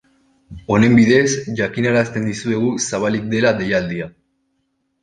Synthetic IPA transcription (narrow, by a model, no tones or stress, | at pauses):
o̞ne̞mbiðe̞zʝakinaɾast̪e̞nd̪isue̞ɣ̞usaβalik̚d̪e̞lad̪e̞jald̪ia